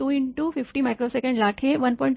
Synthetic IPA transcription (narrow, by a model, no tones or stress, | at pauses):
uiɳʈufɪfʈimajkɾosekə̃ɳɖlaːʈʰeʋənpɔĩɳʈ